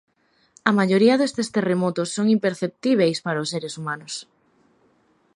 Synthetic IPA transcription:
ɐmaʎoɾiɐðest̪est̪eremɔt̪ʊsːoŋimpeɾθep̚t̪iβ̞ejspaɾaʊseɾesumanʊs

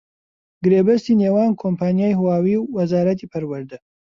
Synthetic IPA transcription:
ɡɨɾeːbɐst̪iːneːwaːnkʰompaːnijaːjhuwaːwiːwːɐzaːɾɐt̪̬iːpʰɐɾwɨɾd̪ɨ

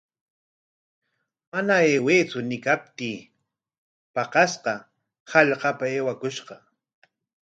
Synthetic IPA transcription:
manaeːweːt͡sʊnɪkap̚t̪iː | pɑqɑsqɑ | hɑʎqɑpaeːwakʊʃqɑ

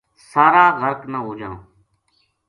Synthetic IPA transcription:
saːɾaːɣəɾknəɦoːd͡ʒãː

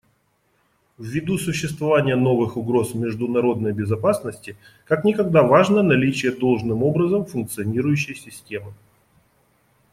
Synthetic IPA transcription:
vːʲɪd̪usʊɕːɪst̪vɐvanʲɪjəno̞vɨxʊɡɾo̞smʲɪʐd̪ʊnɐɾo̞d̪nəjbʲɪzɐpasnəsʲtʲɪ | kaknʲɪkɐɡ̚d̪avaʐnənɐlʲit͡ɕɪjəd̪o̞lˠʐnɨmo̞bɾəzəmfʊnk̚t̪sɨɐnʲiɾʊjʉɕːɪjsʲɪsʲtʲe̞mɨ

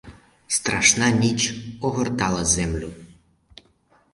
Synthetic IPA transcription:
st̪ɾɐʃnɑnʲit͡ʃɔɦɔrt̪ɑlˠɐzɛmlʲʊ

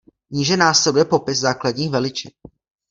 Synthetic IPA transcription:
ɲiːʒɛnaːslɛdujɛpo̞pɪszaːkladɲiːxvɛlɪt͡ʃɪn

